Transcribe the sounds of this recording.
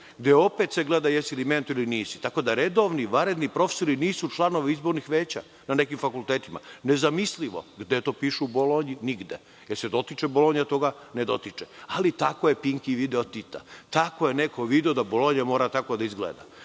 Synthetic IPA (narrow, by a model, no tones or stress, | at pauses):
ɡd̪eo̞pet̪seɡleːd̪ajesiliment̪uiliniːsi̥t̪ako̞d̪aɾed̪o̞ʋniʋaɾe̞d̪nipɾo̞fe̥soɾiniːsut͡ʃlˠano̞ʋeizboɾnixʋeːt͡ɕa̰ | nane̞kimfakult̪eːt̪ima̰nezamisliʋo̰ɡd̪et̪o̞ːpiːʃuuboloɲiniɡd̪e | jelsed̪o̞t̪it͡ʃebolˠoɲat̪o̞ɡane̞d̪o̞̰t̪it͡ʂɛalit̪ako̞jepiŋkiʋid̪eot̪it̪a̰t̪ako̞jenekʰo̞ʋid̪eod̪abo̞loɲamo̞ːɾat̪ako̞d̪aizɡlḛːd̪a̰